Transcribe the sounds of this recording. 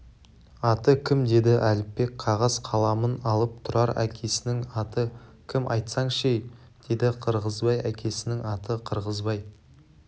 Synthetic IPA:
ɑt̪əkʲʰɪmd̪e̞d̪ɪʔælɪpːe̞k̚qʰɑʁɑzqʰɑlˠɑmənɑlˠəp̚t̪ʰʊɾɑɾækʲʰe̞sɪnɪŋɑt̪əkʲʰɪmʔɑ̰jt̪sɑŋʃej | d̪̥e̞d̪ɪqʰəɾʁəzbɑjækʲʰe̞sɪnɪŋɑt̪əqʰəɾʁəzbɑj

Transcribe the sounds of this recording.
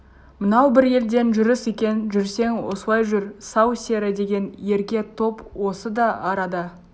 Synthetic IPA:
mənɑwbɪɾje̞ld̪e̞nʒʏɾəse̞kʲe̞nnʒʏɾse̞ŋwo̰sw̪ˠɑjʒʏɾsɑwsʲe̞ɾɪd̪e̞ɡʲe̞nje̞ɾkʲe̞t̪ʰo̞pwo̞səd̪ɑɑɾɑd̪ə

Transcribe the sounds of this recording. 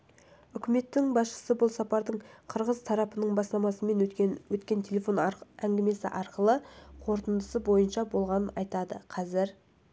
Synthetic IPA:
ʏkʲɪme̞t̪ːɪŋbɑsʃə̥səbʊlˠsɑpɑɾd̪əɴqʰəɾʁəzt̪ʰɑɾɑpənəɴbɑslˠɑmɑsəme̞nwɵt̪kʲe̞nt̪ʲʰe̞lʲe̞fo̞næŋɡʲɪme̞sɪ̰ʔɑɾqəlˠəqʰo̞ɾt̪ənd̪əsəbo̞jənʃɑbo̞lˠʁɑnənɑjt̪ɑd̪əqʰɑzɪɾ

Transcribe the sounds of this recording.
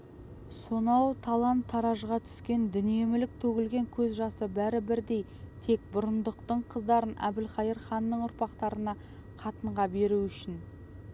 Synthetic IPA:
so̞nɑwt̪ʰɑlˠɑnt̪ʰːɑɾɑʒʁɑt̪ʰʏ̥skʲe̞nd̪ʏnije̞mɪlɪk̚t̪ʰɵɡʲɪlɡʲe̞ŋkʲʰɵzʒɑsəbæɾɪbɪɾd̪e̞j | t̪ʰe̞k̚bʊɾənd̪əqt̪əɴqʰəzd̪ɑɾənæ̰b̪ɪlχɑjəɾχɑnːəɴʊɾpɑqt̪ɑɾənɑ | qʰɑt̪əɴʁɑbe̞ɾuʏʃɪn

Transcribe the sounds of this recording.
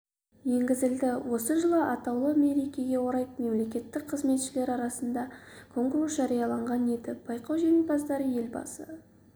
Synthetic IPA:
je̞ŋɡʲɪzɪld̪ɪwo̞səʒəlˠəʔɑt̪ɑwlˠəme̞ɾe̞kʲe̞ɡʲe̞wo̞ɾɑjp̚me̞mle̞kʲe̞t̪ːɪk̚qʰəzme̞t̪ʃɪle̞ɾɑɾɑsənd̪ɑkʰo̞ŋkɾusʒ̥ɑɾijɑlˠɑɴʁɑne̞d̪ɪb̥ɑjqɑwʒenebɑzd̪ɑɾəje̞lbɑ̰sə̰

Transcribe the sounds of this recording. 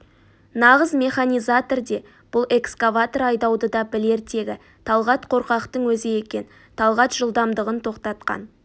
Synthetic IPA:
nɑʁəzmʲe̞χanʲijzat̪o̞rd̪e̞ | b̥ʊlˠʔe̞kskavat̪oɾɑjd̪ɑwd̪əd̪ɑbɪle̞ɾt̪e̞ɡʲɪ | t̪ʰɑlˠʁɑt̪qʰo̞ɾqɑqt̪əɴwɵzɪje̞kʲe̞n | t̪ʰɑlˠʁɑt̪ʒ̥əlˠd̪ɑmd̪əʁənt̪ʰo̞qt̪ɑt̪̚qɑ̰n

